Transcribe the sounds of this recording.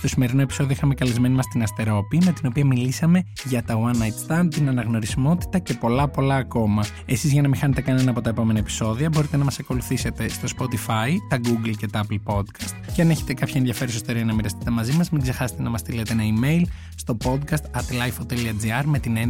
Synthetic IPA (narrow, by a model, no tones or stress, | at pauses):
st̪o̞sime̞ɾino̞e̞pi̥so̞ðioixɐmekɐlezme̞nimɐst̪inɐst̪e̞ɾo̞pime̞t̪ino̞piɐmilisɐme̞ | ʝɐt̪ɐwɐnɐjt̪st̪ɐnt̪inɐnɐɣno̞ɾisimo̞t̪i̥t̪ɐce̞po̞lɐpo̞lɐːko̞mɐ | e̞sizʝɐnɐmixɐne̞t̪e̞kɐne̞nɐːpo̞t̪ɐe̞po̞me̞nɐepi̥so̞ðiɐbo̞ɾit̪e̞nɐmɐsɐko̞luθise̞t̪e̞st̪o̞spo̞t̪ifɐit̪ɐɡuɡlce̞t̪ɐɐplpo̞d̪kʰɐst̪ceɐneçe̞t̪e̞kɐpçɐeðʝɐfe̞ɾusist̪o̞ɾiɐnɐmiɾɐst̪i̥t̪e̞mɐzimɐzmiɡze̞xɐse̥t̪e̞nɐmɐst̪ilet̪eenɐime̞jl | st̪o̞po̞d̪kɐst̪ɐt̪lɐjfot̪eliɐd͡ziɐɾme̞t̪inen